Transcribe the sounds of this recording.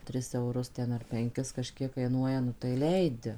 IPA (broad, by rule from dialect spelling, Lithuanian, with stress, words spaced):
ˈtʲrʲɪs ɛʊˈrʊs ˈtʲɛn ɐr pʲɛŋʲˈkʲɪs kɐˈʃʲkʲiɛk kɐɪˈnuɔjɛ nʊ tɐɪ ˈlʲɛɪdʲɪ